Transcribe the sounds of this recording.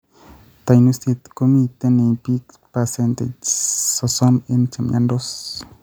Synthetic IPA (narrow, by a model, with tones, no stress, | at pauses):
t̪a˨jnust̪e˧t̪ko˦mi˧t̪e˧ne˧pi˦k | pase˧nt̪e˨t͡ʃso˧so˦me˦nt͡ʃa˨mja˦nd̪o˦s